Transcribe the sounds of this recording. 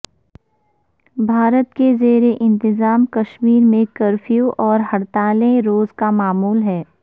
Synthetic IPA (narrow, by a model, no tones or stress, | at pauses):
bʱaːɾət̪kezeːɾeʔɪ̃nt̪ɪzaːmkɐʃmiːɾmẽkɐɾfʰjuʔɔːɾɦɐɽt̪aːlẽɾoːzkamaːmuːlɦɛː